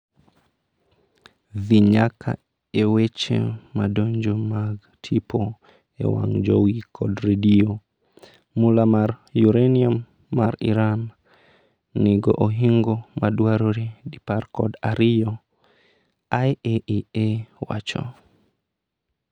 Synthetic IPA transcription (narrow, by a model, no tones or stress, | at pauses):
viɲakʰa̰ | ewet͡ʃḛmadoɲd͡ʒomaɡ | tʰipʰɔ | ɛ̰wa̰ŋd͡ʒowikʰɔdɾedio | mulamaɾjuɾeniamː | aɾḭɾan | iɡɔ̰ʔoɦiŋɡɔmaɗwaɾoɾidipaɾkɔdaɾijɔ | ajeiewa̰t͡ʃɔ̰